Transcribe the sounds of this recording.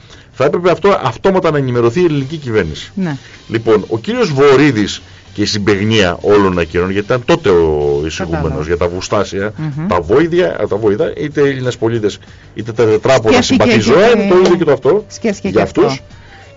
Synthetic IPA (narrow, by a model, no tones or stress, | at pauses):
θɐe̞pɾe̞peɐft̪o̞ʔɐft̪o̞mɐt̪ɐnɐenime̞ɾo̞θiːelinicicive̞ɾnisi̥n | lipo̞no̞̰ciɾio̞zvo̞ɾiðis | cest̪ibe̞ɣniɐ̰ʔo̞lo̞nɐcino̞nʝɐt̪it̪ɐnt̪o̞t̪e̞oisiɣume̞no̞zʝɐt̪ɐvust̪ɐsiɐt̪ɐvoiðɐt̪ɐvo̞iðɐʔit̪eeʎinespo̞ʎit̪e̞s | it̪e̞t̪ɐðet̪ɾɐposibɐθizoɐinet̪oiloðocot̪oɐft̪o̞sʝɐːft̪uss